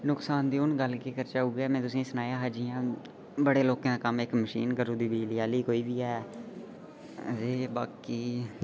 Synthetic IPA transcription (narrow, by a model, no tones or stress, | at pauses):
nʊksaːnd̪iːʊnɡəlkeːkəɾt͡ʃaːuːɡaːmɛ̃ːt̪ʊsĩːsənaːjãːɦad͡ʒɪjãː | bəɽeːloːkãːkəmɪkməʃiːnɡəɾuːd̪iːbiːlɪjaːliːkoːiːbiːɦɛː | zeːbaːkiː